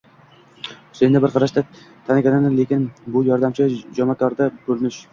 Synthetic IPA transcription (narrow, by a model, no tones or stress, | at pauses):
ʊ̥send̪abɪɾqʰɑɾaʃt̪a | t̪ʰanakʲanɪnɪle̞kʲɪnbʊjɒɾd̪amt͡ʃʰɪd͡ʒɒmakʰɒɾd̪abɵlnɪʃ